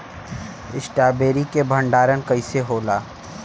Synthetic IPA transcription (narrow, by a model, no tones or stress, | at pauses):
ɪsʈaːbeːɾikebʱə̃ɳɖaːɾənkɐiseɦoːlaː